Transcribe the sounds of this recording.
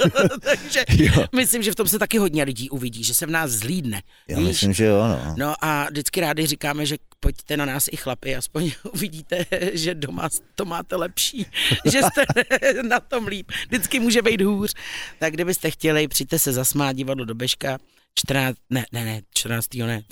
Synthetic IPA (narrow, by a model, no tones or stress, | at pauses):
tt̪aɡʒɛmɪslɪmʒɛft̪o̞msɛt̪akɪɦo̞dɲɛlɪɟiːʔuvɪɟiːʒɛsɛvnaːszliːdnɛ | ja̰ɪsmʒɛjoano̰no̞ʔadɪt͡skɪɾaːdɪrɪkaːmɛʒɛpoct̪ɛnanaːsɪxlapɪʔaspoɲʔuvɪɟiːt̪ɛʒɛdoma̰st̪omaːt̪ɛlɛpʃiːʒɛst̪ɛnat̪o̞mliːp̚dɪt͡skɪmuːʒɛbɛjd̪ɦuːr̝̥t̪aɡɡdɪbɪst̪ɛxcɛlɪpr̥ɪt̪ɛsɛzasmaːt̪̚ɟɪvadlodo̞bɛʃka | t͡ʃt̪rnaːnɛnɛnɛt͡ʃt̪ɾnaːt͡st̪iːɦonɛ